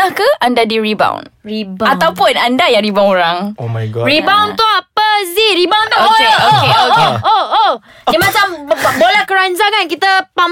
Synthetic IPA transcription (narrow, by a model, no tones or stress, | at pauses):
ahkəandadiɾiba̰wnibat̪awpʊnandajaŋɾibawŋoɾaŋomaɡribawnt̪uapəziɾibawnt̪ɔokeooeoo | dimat͡ʃambolɛkəɾand͡ʒaŋankit̪əpam